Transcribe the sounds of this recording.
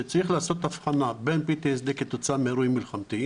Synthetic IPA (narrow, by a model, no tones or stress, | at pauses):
et͡saʁiχlaːso̞t̪afχanabenpit̪esd̪eket̪ot͡sameɾujmilχamt̪i